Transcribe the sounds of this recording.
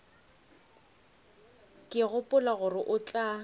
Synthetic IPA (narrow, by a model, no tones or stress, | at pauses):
kʼɪɣʊpʼʊlaɣʊrɪʔʊt͡ɬʼa